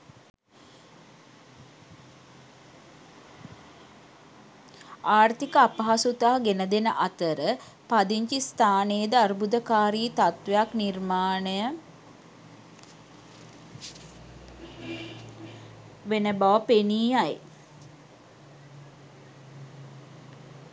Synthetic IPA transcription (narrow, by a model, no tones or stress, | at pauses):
aːrt̪ikəapɐɦasut̪aɦɡenəd̪enəʔat̪əɾə | pad̪iɲt͡ʃist̪ʰaːneːd̪əaɾubud̪əkaːɾiːt̪at̪ʋejaknirmaːnəjə | ʋenəbaʋəpeniːaj